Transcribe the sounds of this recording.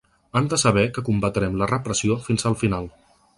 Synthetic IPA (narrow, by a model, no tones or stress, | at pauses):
and̪əsəβ̞ɛkəkumbət̪ɾɛmlərəpɾəsiofinzəlˠfinalˠ